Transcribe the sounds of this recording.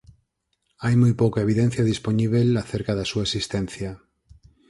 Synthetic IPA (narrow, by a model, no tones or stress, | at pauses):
ajmojpowkaeβ̞iðɛ̃n̟θjaðisponiβ̞elaθeɾkaðasuaesist̪ɛn̟θjɐ